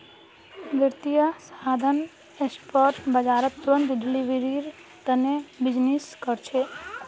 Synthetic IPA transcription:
ʋjəɾt̪ijasad̪ʱən | espoɾʈbəd͡ʒaɾət̪ːuɾənt̪ɖiliʋɾiɾ | t̪ənebid͡ʒniskəɾt͡ʃʰe

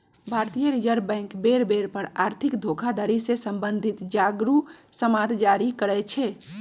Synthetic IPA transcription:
bʱaɾt̪ijəɾid͡ʒəɾbɛ̃ːŋkbeɾbeɾpəɾaɾt̪ʰikd̪ʱokʰad̪ʱaɾisesə̃mbənd̪ʱit̪d͡ʒaɡɾusəmad̪d͡ʒaɾikəɾɛt͡ʃʰɛ

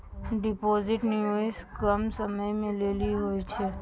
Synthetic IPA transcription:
ɖɪpoːzɪʈnioɪskɐmsɐməjmẽleːliɦoːit͡ʃʰɛ

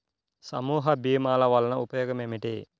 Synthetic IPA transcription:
sɐ̰muːɦɐbiːmaːlɐʋɐlɐnɐupɐjɔːɡɐmemiʈi

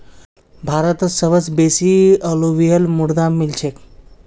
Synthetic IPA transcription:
bʱaɾət̪ət͡ssəbət͡sbesiəloʋijəlmuɽd̪amːilt͡ɕʰek

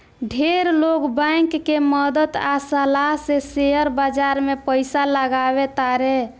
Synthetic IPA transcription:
ɖʱeɾlokbãjŋkːeməd̪ət̪asəlaɦseseəɾbad͡ʒaɾmepəjsaləɡabet̪aɾe

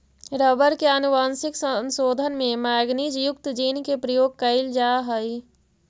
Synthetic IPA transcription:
ɾəbəɾkeənuʋaːnsɪksənsoːd̪ʱənmẽmaːɡnid͡ʒjʊk̚t̪d͡ʒiːnkepɾəjoːɡ̚kəɪld͡ʒaːɦəi

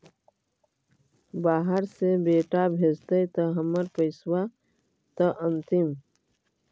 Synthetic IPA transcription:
baːɦəɾsebeːʈabʱed͡ʒt̪əjt̪əɦəməɾpəɪswa | t̪əʔənt̪im

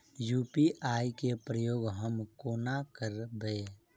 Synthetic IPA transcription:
juːpiʔaːikepɾəjoːɡɦəmkoːnakəɾbeː

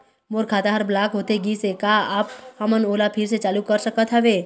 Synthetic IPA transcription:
moːɾkʰaːt̪aɦəɾblaːkɦoːt̪eɡisekaaːphəmənoːlapʰɪɾset͡ʃaːlukəɾsəkət̪ɦəʋeː

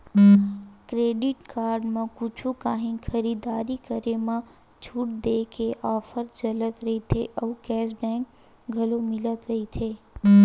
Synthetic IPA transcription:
kɾeːɖɪʈkaːɾɖmãkʊt͡ʃʰukaːɦĩkxəɾiːd̪aːɾikəɾemã | t͡ʃʰuʈ̚d̪eːkeʔaːfəɾd͡ʒɐlət̪ɾɐɦit̪ʰeʔɐʋkɛːsbɛ̃ːk | ɡʱɐlomɪlət̪ɾɐɦit̪ʰeː

